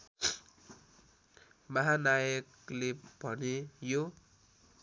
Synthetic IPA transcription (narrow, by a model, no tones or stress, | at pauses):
mʌɦanajʌk | leb̥ʱʌnejo